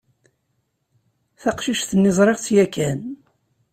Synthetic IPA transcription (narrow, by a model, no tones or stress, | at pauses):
θɑqʃiʃθənːɪzˤɾˤeʁt͡sjækæn